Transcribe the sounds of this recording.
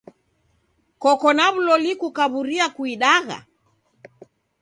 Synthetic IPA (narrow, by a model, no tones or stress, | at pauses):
kɔkɔnaβulɔlikukaβuɾiakuiɗaɣa̰